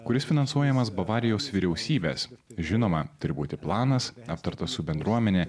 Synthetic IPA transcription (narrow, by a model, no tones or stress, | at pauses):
kʊɾʲɪsfʲɪnɐnsuɔjɛmɐsbɐʋɑːɾʲɪjoːsʋʲiːɾʲɛʊsʲiːbʲeːsʒʲɪnoːmɐt̪ʊɾʲɪbuːt̪ʲɪplˠɑːnɐsɐp̚t̪ɐɾt̪ɐssʊbʲɛnd̪ɾuɔmʲɛnʲɛ